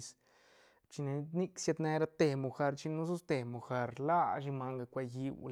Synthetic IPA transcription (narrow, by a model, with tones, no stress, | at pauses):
s | t͡ʃi˧ne˧ni˦˧ksja˧d̪ne˧ɾa˧t̪e˧mu˧xa˧ɾt͡ʃi˧nu˦zu˦st̪e˨˧mu˨xa˧ɾla˦ʃ̬i˧ma˧ŋɡa˧kʷa˧ji˧wl